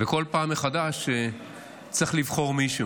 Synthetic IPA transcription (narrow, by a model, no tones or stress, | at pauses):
veko̞lpaːmːeχad̪aʃe | t͡sʁeχlivχo̞ʁmiʃu